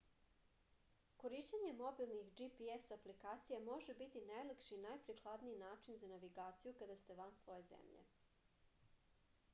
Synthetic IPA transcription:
koɾiʃt͡ɕaɲe̞mobilˠnixd͡ʒipiesaplikaːt̪sijamo̞ʒebit̪inajlekʃinajpɾixlˠad̪niinaːt͡ʃinzanaʋiɡaːt̪sijukad̪ast̪e̞ʋansʋo̞jezḛmʎḛ

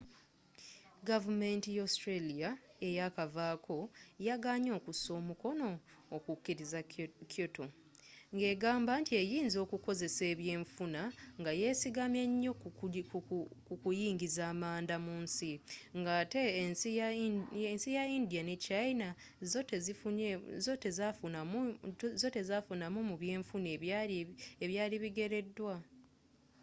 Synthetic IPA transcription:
ɡavume̞ntijostɾelijae̞jakavaːkʰo̞jaɡaːɲo̞ːkuso̞ːmuko̞no̞ː | kukːiɾizakʰoto | ŋɡe̞ːɡaːmbaːntie̞jiːnzo̞ːkuko̞ze̞se̞ːβje̞ːɱfunaŋɡaje̞siɡamjeɲːo̞ | kukujiːŋɡizaːmaːndamuːnsiŋɡate | ensijaindijanet͡ʃaina | zotezifuzo̞tezafunamzo̞te̞zafunamumuβje̞ːɱfune | eβjaːliβiɡe̞ɾe̞dːwa

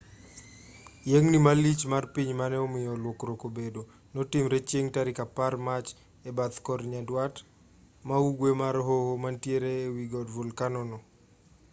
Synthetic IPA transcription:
jeŋnimalit͡ʃmarpiɲmanɛɔmɪjɔlwokɾokobedo | nɔtimɾet͡ʃjeŋtaɾikaparmat͡ʃ | ɛbat̪kɔɾɲadwat | mauɡwemaɾɦohomantjeɾeːwiɡɔdvulkanɔnɔ

